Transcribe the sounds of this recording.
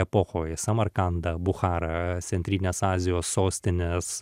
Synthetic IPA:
ɛpoːxoːjsɐmɐɾkɐnd̪ɐbʊxɑːɾɐt̪sʲɛnʲt̪ʲɾʲiːnʲeːsɑːzʲɪjoːsːoːsʲt̪ʲɪnʲɪs

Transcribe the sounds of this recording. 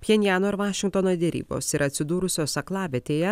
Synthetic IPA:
pʲjʲɛnʲjæːnoːɪɾʋɑːʃʲɪ̃ŋkt̪ɔːnoːd̪ʲɛɾʲḭːbo̰sɪɾɐt̪ʲsʲɪd̪uːɾʊsʲoːsɐklˠɑːʋʲɛt̪ʲeːjɛ

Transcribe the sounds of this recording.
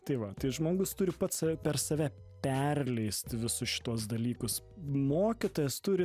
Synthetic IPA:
t̪ɐɪʋɐt̪ɐɪʒmoːɡʊst̪ʊɾʲɪpɐt̪sɐɛpʲɛrsɐːʋʲɛ | pʲɛrʲlʲɛɪst̪ʲʋʲɪsʊsʃʲɪ̥t̪uɔs̬d̪ɐlʲiːkʊs | moːkʲɪt̪oːjɛst̪ʊɾʲɪ

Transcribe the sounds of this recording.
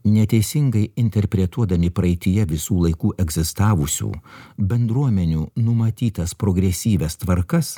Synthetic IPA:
nʲɛt̪ʲɛɪsʲɪŋɡɐɪɪnʲt̪ʲɛɾʲpʲɾʲɛt̪uɔd̪ɐmʲɪpɾɐɛɪt̪ʲɪjɛʋʲɪsuːlˠɐɪkuːʔɛɡzʲɪst̪ɑːʋʊsʲṵːbʲɛnd̪ɾuɔmʲɛnʲuːnʊmɐt̪ʲiːt̪ɐspɾoɡɾʲɛsʲiːʋʲɛst̪ʋɐɾkɐs

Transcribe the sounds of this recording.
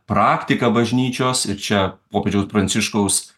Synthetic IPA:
pɾɑːkt̪ʲɪkɐbɐʒʲnʲiːt͡ʃʲoːsɪɾt͡ʃʲɛpoːpʲeːd͡ʒʲɛʊspɾɐnʲtsʲɪʃkɐʊs

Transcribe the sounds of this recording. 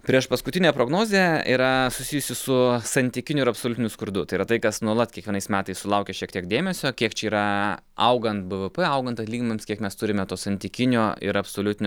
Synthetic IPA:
pʲɾʲiɛʃpɐskʊt̪ʲɪnʲɛpɾoːɡnoːzʲeːḭːɾɐsʊsʲijʊsʲɪsʊsɐnʲt̪ʲɪkʲɪnʲʊɪɾɐpsoːlʲʊt̪ʲɪnʲʊskʊɾd̪ʊt̪ɐɪiːɾɐt̪ɐɪkɐsnuɔlˠɐt̪kʲiɛkʋʲiɛnɐɪsmʲæːt̪ɐɪssʊlˠɐʊkʲɛʃʲiɛkt̪ʲiɛk̚d̪ʲeːmʲɛsʲoːkʲiɛkt͡ʃʲɛiːɾɐɐʊɡɐnt̪̚bɨʋəpɛɐʊɡɐnt̪ɐt̪lʲiːɡʲɪmʲemskʲiɛkmʲɛst̪ʊɾʲɪmʲɛt̪oːsɐnʲt̪ʲɪkʲɪnʲoːɪ̰ɾɐpsoːlʲʊt̪ʲɪnʲ

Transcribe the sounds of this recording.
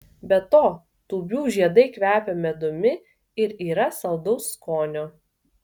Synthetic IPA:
bʲɛt̪oː | t̪uːbʲuːʒʲiɛd̪ɐɪkʋʲæːpʲɛmʲɛd̪ʊmʲɪ | ɪɾiːɾɐsɐlˠd̪ɐʊsːkoːnʲoː

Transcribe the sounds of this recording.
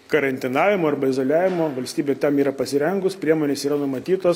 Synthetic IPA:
kɐɾɐnʲt̪ʲɪnɑːʋʲɪmoːɐɾbɐɪzoːlʲæːʋʲɪmoːʋɐlʲsʲt̪ʲiːbʲeːt̪ʲɛmiːɾɐpɐsʲɪɾʲɛŋɡʊspʲɾʲiɛmoːnʲeːsiːɾɐnʊmɐt̪ʲiːt̪oːs

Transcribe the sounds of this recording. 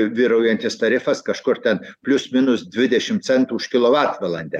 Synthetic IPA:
ʋʲiːɾɐʊjɛnʲt̪ʲɪst̪ɐɾʲɪfɐskɐʃkʊrt̪ʲɛnpʲlʲʊsmʲɪnʊsd̪ʲʋʲɪd̪ʲɛʃʲɪmt̪sʲɛnt̪uːʊʃkʲɪlˠoːʋɑt̪ʋɐlˠɐnʲd̪ʲɛ

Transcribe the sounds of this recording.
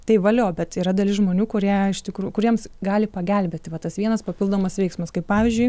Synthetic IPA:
t̪ɐɪʋɐlʲoːbʲɛt̪iːɾɐd̪ɐlʲɪʒmoːnʲuːkʊɾʲiɛɪʃt̪ʲɪkɾukʊɾʲiɛmsɡɑːlʲɪpɐɡʲɛlʲbʲeːt̪ʲɪʋɐt̪ɐsʋʲiɛnɐspɐpʲɪlˠd̪oːmɐsʋʲɛɪksmɐskɐɪppɑːʋʲizʲd͡ʒʲʊɪ

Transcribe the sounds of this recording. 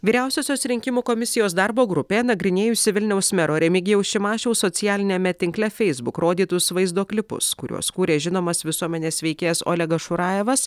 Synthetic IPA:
ʋʲiːɾʲæˑʊsʲoːsʲoːsɾʲɪŋʲkʲɪmuːkomʲɪsʲɪjoːs̬d̪ɑɾboːɡɾʊpʲeːnɐɡɾʲɪnʲeːjʊsʲɪʋʲɪlʲnʲɛʊsmʲɛɾoːɾʲɛmʲɪɡʲɪjɛʊʃʲɪmɑːʃʲɛʊsoːt̪sʲɪjæːlʲɪnʲɛmʲɛt̪ʲɪŋklʲɛfʲɛɪzbʊkɾʔoːd̪ʲiːt̪ʊsʋɐɪzd̪oːklʲɪpʊ̰skʊɾʲṵɔskuːɾʲeːʒʲɪnoːmɐsʋʲɪsuɔmʲɛnʲeːsʲʋʲɛɪkʲeːjɛso̰ːlʲɛɡɐʃʊɾɑːjɛʋɐs

